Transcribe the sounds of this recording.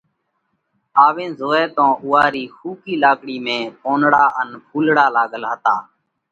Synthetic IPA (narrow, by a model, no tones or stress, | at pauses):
aːʋẽːzoːɛːt̪õːʔʊːaːɾiːxʰuːkiːlaːkɽiːmẽːpoːnɽaːʔənpʰuːlɽaːlaːɡəlɦət̪aː